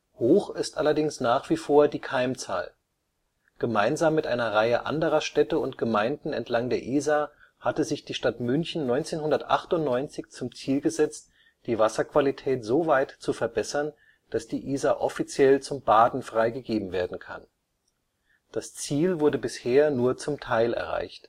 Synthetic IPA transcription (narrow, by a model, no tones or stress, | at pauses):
hoːχɪstʔalɐdɪŋsnaːχv̥iːfoːɐdiːkʰaɪmt͡sa̰ːl | ɡ̥əmaɪnzaːmːɪtʔa̰ɪnɐʁaɪəʔa̰ndəʁɐʃtɛtəʊntɡ̥əmaɪndn̩ɛ̰ntlaŋdeːɐʔiːza | hatəzɪçd̥iːʃtatmʏnçn̩nɔʏnt͡seːnhʊndɐtʔa̰χtʊntnɔʏnt͡sɪçt͡sʊmt͡siːlɡəzɛt͡st | d̥iːvasɐkv̥alitʰɛːtz̥oːvaɪtt͡sufɛɐbɛsɐn | d̥asd̥iːʔiːzaʔɔfit͡sjɛlt͡sʊmbaːdn̩fʁ̥aɪɡəɡeːbm̩veːɐdn̩kʰa̰n | d̥ast͡siːlvʊɐdəbɪsheːɐnuːɐt͡sʊmtʰaɪlɛ̰ɐʁ̞a̰ɪçt